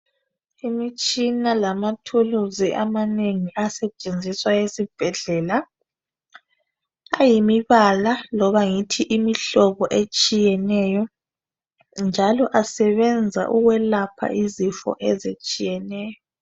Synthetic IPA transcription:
imit͡ʃʼinalamatʰuluziʔa̰maneŋiʔasɛt͡ʃʼend͡zʱiswajesib̥ʱɛɮɛla | ajimiβalalɔβaŋitʰiʔimiɬɔβɔʔet͡ʃʼijɛnɛjɔ | nd͡ʒʱalɔʔasɛβɛnd͡zʱa̰ʔuɣwɛlapʰa̰ʔizifɔ̰ʔɛzet͡ʃʼijɛnɛːjɔ

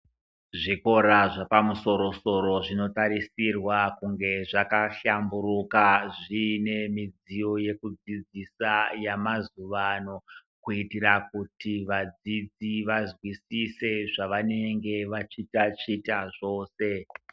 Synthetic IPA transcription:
ʐiko̞ɾaʐapamuso̞ɾo̞so̞ɾo̞ʐino̞taɾisirwakuŋɡe̞ʐakaɬambuɾukaʐine̞mid͡zijo̞je̞kud͡zid͡zisajamazuʋano̞ | kuitiɾakutiʋad͡zid͡ziʋazwisise̞ʐaʋane̞ŋɡe̞ʋat͡ʃitat͡ʃitaʐo̞ːse̞

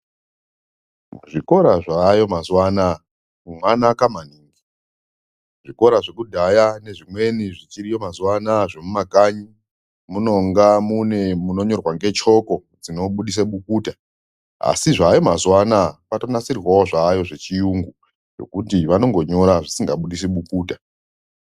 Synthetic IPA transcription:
ʐiko̞ɾaʐajo̞mazwana | kumwanakamaniːŋɡi | ʐiko̞ɾaʐekudʱajane̞ʐimwe̞niʐit͡ʃiɾijo̞mazwanaʐemumakaɲi | muno̞ŋɡamune̞muno̞ɲo̞rwaŋɡe̞t͡ʃo̞ko̞ | d͡zino̞ɓuɗis̬eɓukuːta | a̰siʐajo̞mazwanapato̞nasirrwaoʐaːjo̞ʐe̞t͡ʃijuŋɡu | jo̞̰kutiʋano̞ŋɡo̞ɲo̞ɾaʐisiŋɡaɓuɗis̬eɓukuːta

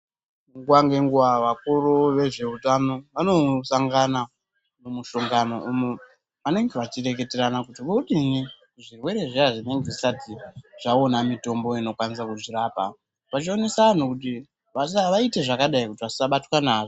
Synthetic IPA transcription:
ŋɡuwaŋɡe̞ŋɡuʋaʋakuruʋe̞ʐe̞utano̞ʋano̞saŋɡana | mumuʃoŋɡano̞ʔumu | ʋane̞ŋɡe̞ʋat͡ʃire̞ke̞teɾanakutiʋouɗini | ʐirwe̞ɾe̞ʐiaʐine̞ŋɡe̞ʐisatiʐ̥aonamito̞mbo̞ino̞kwanis̬akuʐiraːpa | ʋat͡ʃio̞ne̞saan̤ukuti | ʋasaʋaite̞ʐakaɗaikutiʋasisaɓatwanaːʐo

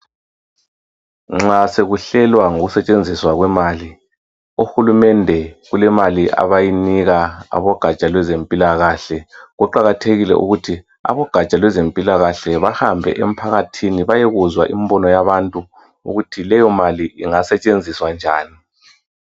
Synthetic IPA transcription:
ŋ͡ǁaseɣuɬɛlwaŋoɣusɛt͡ʃʼend͡zʱiswaɣwɛmaːli | uxulumɛndʱɛɣulɛmaliʔa̰βajiniɣaa̰βɔɡ̥ʱat͡ʃʼalwɛzempʼilaɣaɬɛɣuǃaɣatʰeɣilɛ̰ʔṵɣutʰi | a̰βɔɡ̥ʱat͡ʃʼalwɛzempʼilaɣaɬɛβahambʱɛ̰ʔem̩pʰaɣatʰiniβajɛɣuzwaʔimbɔnɔjaβantʼu | ṵɣutʰilɛjɔmaliʔiŋasɛt͡ʃʼend͡zʱiswand͡ʒʱa̰ːni

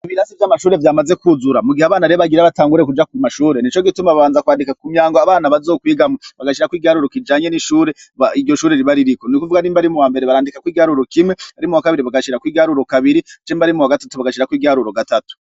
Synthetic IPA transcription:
iβiɾasivjamaʃuːɾe̞vjaːmaze̞kuzuɾamuɡihaβaːnaɾeβaɡiɾaβataːŋɡuɾekud͡ʒakmaʃuːɾe̞nit͡ʃo̞ɡitumaβaβaːnzakwaːndikakumɲaːŋɡoaβaːnaβazoːkwiːɡamoβaɡaʃiɾakwiːɡaɾuɾo̞kid͡ʒaːɲe̞niʃuːɾe̞ | aiɟo̞ʃuːɾe̞ɾiβaɾiɾikonikuvuɡaniːmbaɾimuwaːmbe̞ɾeβaɾaːndikakwiːɡaɾuɾokimweaɾimuwakaβiɾiβaɡaʃiɾakwiːɡaɾuɾo̞kaβiɾit͡ʃiːmbaɾimuwaɡatḁtuβaɡaʃiɾakwiːɡaɾuɾo̞ɡatatu̥

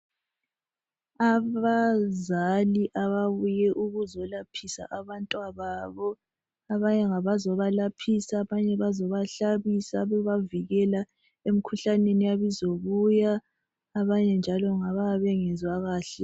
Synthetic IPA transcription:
aβazaliʔaβaβujɛʔuɣuzɔlapʰisa̰ʔaβantʼwaβaːβɔ | aβaɲɛŋaβazɔβalapʰisaβaɲɛβazɔβaɬaβisaβɛβaviɣɛla | em̩kʰuɬanenijaβizoɣujaː | βaɲɛnd͡ʒʱalɔŋaβaβɛŋɛnd͡zwaɣaːɬɛ

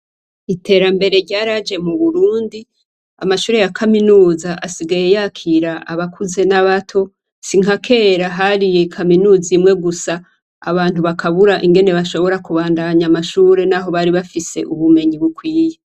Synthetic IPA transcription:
itʰe̞ːɾambe̞ɾe̞ɾɟaːɾad͡ʒe̞muβuɾuːndi | a̰maʃuːɾe̞jakʰaminuːzaʔasiɡaje̞jakʰiɾaʔaβakʰuze̞naβatʰo̞ | siŋakʰe̞ːɾaɦaɾije̞kʰaminuːzimŋe̞ɡusa̰ː | βaːntuβakʰaβuɾaʔiŋɡe̞ne̞βaʃo̞βo̞ɾakuβaːndaɲamaʃuːɾe̞naɦo̞βaɾiβafise̞̰ʔuβume̞ɲiβukwiːje

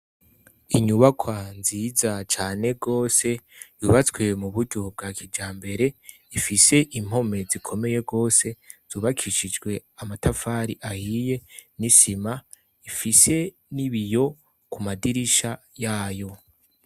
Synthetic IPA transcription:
iɲuβakʰwanziːzat͡ʃaːne̞ɡo̞ːse̞juːβat͡swe̞muβuɾɟob̚ɡaːkʰid͡ʒaːmbe̞ɾe̞ | ifise̞ʔim̥o̞me̞zikʰo̞me̞je̞ɡo̞ːse̞z̥uːβakʰiʃid͡ʒɡwe̞amatafaːɾiʔahije̞nisima | ifise̞ | niβijo̞ | kumadiɾiʃa | jaːjo̞

